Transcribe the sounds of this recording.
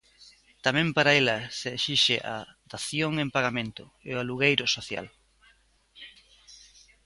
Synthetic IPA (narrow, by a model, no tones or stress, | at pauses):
t̪amɛ̃mpaɾaelɐseːʃiʃɪ̰ʔa̰d̪aθjoŋempaɣamẽnt̪ʊ | ealuɣejɾʊsoθja̰l